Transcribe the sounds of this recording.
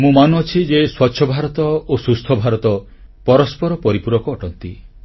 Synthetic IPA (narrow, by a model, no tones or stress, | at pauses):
mũmanuɔt͡ʃʰid͡ʒeswɔtːʃʰɔbʱaɾɔt̪ɔosust̪ʰɔbʱaɾɔt̪ɔ | pɔɾɔspɔɾɔpɔɾipuɾɔkɔːʈɔnt̪i